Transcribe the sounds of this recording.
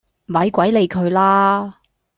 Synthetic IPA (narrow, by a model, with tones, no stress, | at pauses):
m̩˩wɐ˨˧jkʷɐ˨˥jle˨˧jkʰɵ˨˧ɥlaː˥